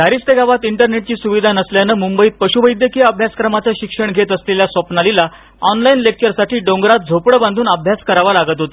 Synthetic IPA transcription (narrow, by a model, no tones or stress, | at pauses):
d̪ʱaɾist̪eɡaʋat̪iɳʈəɾneʈ̚t͡ɕiːsuʋid̪ʱanəsljanəmumbəiːt̪̚pəɕuʋəjd̪jəkiəbʱjaskɾəmat͡səɕikʂəɳɡʱet̪əsleljasʋəpnalila | ɔnlainlek̚t͡ɕəɾsaʈiːɖõŋɡɾat̪̚d͡zʱopɽəbãnd̪ʱuːnəbʱjaskəɾaʋalaɡət̪ɦot̪o